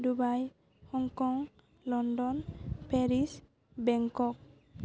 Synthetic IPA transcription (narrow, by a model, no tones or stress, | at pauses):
dubaj | hɔŋkɔŋ | lɔndɔnpʰeɾis | bɛŋkɔk̚